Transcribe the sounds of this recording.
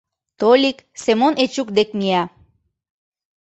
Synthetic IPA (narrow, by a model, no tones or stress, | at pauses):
t̪olʲiksemonet͡ɕukd̪ek̚miæ